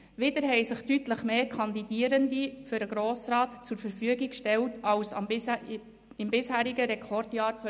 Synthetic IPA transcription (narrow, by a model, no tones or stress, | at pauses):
ʋɪdəɾɦɛɪsɪχtytləχmeːkʰɑnd̪idiəɾəndifʏɾəɡɾoːsɾɑːtt͡sʊɾfəɾfyəɡikʃtɛltɑws | ɪmbɪshæːɾiɡəɾɛkʰɔrdjɑːɾt͡sʋœ